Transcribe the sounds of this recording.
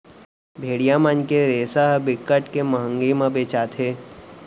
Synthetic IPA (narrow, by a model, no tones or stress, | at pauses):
bʱeːɽijamənkeɾeːsaɦbɪkːəʈkeməɦə̃ŋɡimãbeːt͡ʃaːt̪ɦeː